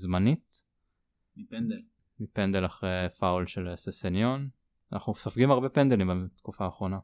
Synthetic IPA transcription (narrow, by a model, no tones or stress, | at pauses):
zmanit̪ | mipend̪elaχʁejfawlʃelesesenjo̞n | anʔaχnusafɡimaʁbepend̪elimbet̪kufaːχʁo̞na